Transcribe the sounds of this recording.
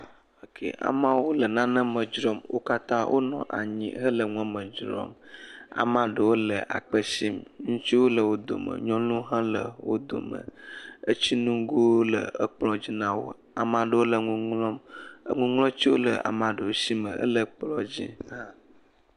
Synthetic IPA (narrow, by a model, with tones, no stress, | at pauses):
ə˨kʰḛ˨ʔa̰˨mã˦wo˦lə˨nã˦nə̃˦mə̃˨d͡ʒɾɔ˦mwo̰˦ka˦t̪ã˦wʔo̰˦nɔ̃˦ʔa̰˨ɲḭ̃˦ɦə˦lə˨ŋũ˦a˦mə̃˨d͡ʒɾɔ̰˦ma̰˨mã˨ɖə˨wo˦lə˨ʔa̰˨k͡pə˦si˦mŋũ˦t͡ɕi˦wo˦lə˨wo˦d̪o̰˨mə̰̃˨ɲɔ̃˦lũ˦ɦã˦lə̰˨wo˦d̪o̰˨mə̰̃˨ə˦t͡ɕi˦nũ˦ɡo˦lə˨ə˦k͡plɔ˦d͡ʑi˦nã˦wo̰˦ | a˨mã˨ɖə˨wo˦lə˨ŋũ˦ŋlɔ˦m˦ŋũ˦ŋlɔ̃˦t͡ɕi˦wo˦lə˨a̰˨mã˨ɖə˨wo˦si˦mə̃˨ʔə̰˦lə˨k͡plɔ˨d͡ʑḭ˦nã˦